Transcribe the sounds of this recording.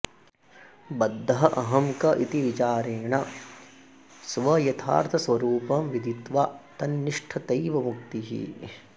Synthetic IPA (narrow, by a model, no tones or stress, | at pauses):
bɐd̪ʱːɐɦɐʔɐɦɐmkɐʔit̪iʋit͡ʃaːɾeːɳɐ | sʋɐjɐt̪ʰa̰ːɾt̪ʰɐsʋɐɾuːpɐmʋid̪ʱit̪ʋaːt̪ɐnːiʂʈʰɐt̪ɐjʋɐmuk̚t̪iɦḭ